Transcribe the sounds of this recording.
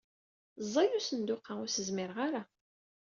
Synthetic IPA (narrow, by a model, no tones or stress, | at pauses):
zˤːɑjusənd̪ʊqːaʊɾsəzmɪɾʁaɾa